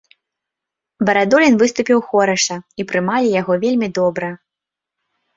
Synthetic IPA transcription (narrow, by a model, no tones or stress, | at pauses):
bɐɾad̪ɔlʲinvɨst̪upʲiwxɔɾɐʂɐipɾɨmalʲijaɣɔvʲelʲmʲid̪ɔbɾɐ